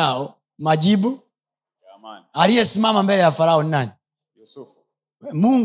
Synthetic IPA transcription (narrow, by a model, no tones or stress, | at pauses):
aɔ | mad͡ʒibu | alijɛsimamambɛlɛjafalahɔnːani | muŋ